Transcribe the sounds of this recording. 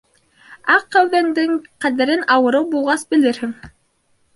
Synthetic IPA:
ɑqːæwðænd̪ɘŋqæðæɾɘnɑwɤ̆ɾɤwbulˠʁɑsbɘ̆lɘɾhɘŋ

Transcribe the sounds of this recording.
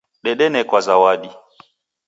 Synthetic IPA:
ɗɛɗɛnɛkwazawaɗi

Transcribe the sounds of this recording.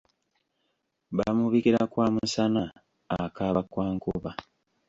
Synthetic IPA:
bamuβikiɾakwaːmusanaː | kaβakwaːŋkuβa

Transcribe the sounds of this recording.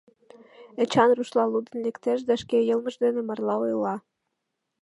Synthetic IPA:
ə̆t͡ɕɑnruʃlˠɑlˠud̪ə̆nlekt̪eʃ̬d̪æʃkejɤlˠmə̆ʒd̪enĕmɑrlˠɑojlɑ

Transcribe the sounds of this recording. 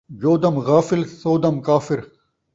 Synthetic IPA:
d͡ʑoːd̪ɐmɣaːfɪlsoːd̪ɐmkaːfɪɾ

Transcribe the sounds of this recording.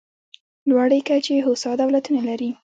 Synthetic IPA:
lwɑɽəjkat͡ʃeɦosɑd̪awlat̪unalaɾi

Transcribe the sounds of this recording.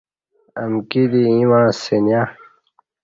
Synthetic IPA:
ɐmkid̪iĩwãːsenja

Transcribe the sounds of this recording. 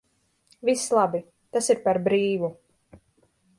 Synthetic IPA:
vislˠabi | t̪asiɾpaɾbɾiːvu

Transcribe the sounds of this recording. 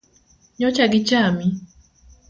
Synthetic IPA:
ɲɔt͡ʃaɡit͡ʃami

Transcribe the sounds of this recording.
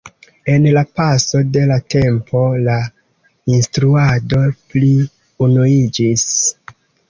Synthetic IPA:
e̞nlapaso̞de̞late̞mpo̞la | instɾuado̞pli | unuid͡ʒis

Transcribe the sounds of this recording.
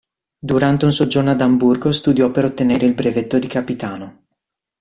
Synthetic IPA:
d̪uɾant̪eunsod͡ʒornoad̪amburɡost̪ud̪jɔpːeɾot̪ːeneːɾeilbɾevet̪ːod̪ikapit̪aːno

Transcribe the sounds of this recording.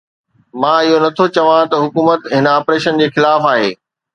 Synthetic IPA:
mãːɪɦonɐt̪ʰot͡ɕɐʋãt̪ɐɦʊkuːmət̪ɦɪn̆aːpɾeːʃənd͡ʑeːxɪlaːfaːɦeː

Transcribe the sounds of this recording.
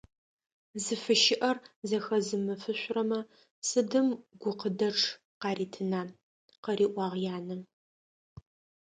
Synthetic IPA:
zɨfɨʃɪʔɐrzɐxɐzɨmɨfɨɕʷʊrɐmɐ | sɨdɨmɡʷʊqədɐʈ͡ʂʰ | qɑːɾiːtʰɨnaːn | qɐriːʔʷɑːʁjaːnɨ

